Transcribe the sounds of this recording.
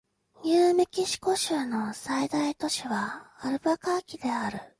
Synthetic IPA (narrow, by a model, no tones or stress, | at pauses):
jɯːmekʲiɕi̥ko̞ɕɯːno̞said̪ait̪o̞ɕiβaːɾɯ̟bakaːkʲid̪e̞aɾɯ̟